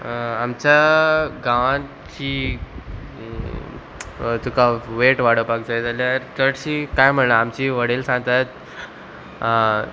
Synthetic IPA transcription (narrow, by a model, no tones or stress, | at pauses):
amt͡ɕaɡaʋã | t͡ɕiː | t̪ukaʋeʈʋaɽ̤əpak̚d͡zajd͡zalaɾt̪əɽɕiːkajm̤əɳlaːmt͡ɕiʋəɽelsãŋɡt̪at̪̚